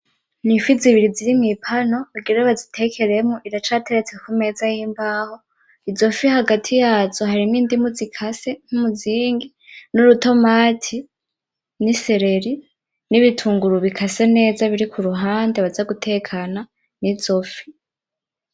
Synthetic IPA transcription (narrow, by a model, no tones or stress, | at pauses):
nifiziβiɾiziɾimipʰano̞βuɡiɾeβazitʰe̞kʰe̞ɾe̞moʔiɾat͡ʃaːtʰe̞ɾet͡se̞kʰume̞zajiːmbaːho̞ | izo̞fihaɡatʰijaːz̥o̞haɾiniːndimuzikʰase̞ŋ̥humuziːŋɡi | nuɾuto̞maːtʰi | nise̞ɾe̞ɾi | niβitʰuːŋɡuɾuβikʰase̞ne̞ːzaβiɾikuɾuɦaːndeβazaɡutʰe̞ːkʰana | nizo̞fi̥